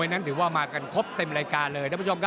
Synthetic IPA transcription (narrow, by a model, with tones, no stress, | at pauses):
a˧jna˦˥nɾɯː˩˦waː˥˩maː˧ka˧nkʰo˦˥p̚t̪e˧mɾaː˧jkaː˧nlɤː˧jt̪ʰa˥˦pʰːo˧mkʰa˦˥